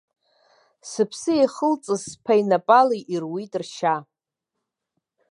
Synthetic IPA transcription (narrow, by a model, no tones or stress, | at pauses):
sɨpʰsɨeχəlt͡sʼɨzpʰajnapʼaliʔirwitʼrʃa